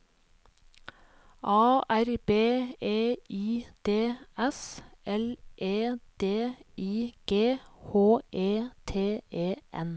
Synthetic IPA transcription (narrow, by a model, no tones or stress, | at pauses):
ʔɑːʔæɾbeːeːiːd̪̥eːɛsʔɛlʔeːd̪̥eːiːɡ̥eːhoːʔeːt̪ʰeːeːʔɛ̰n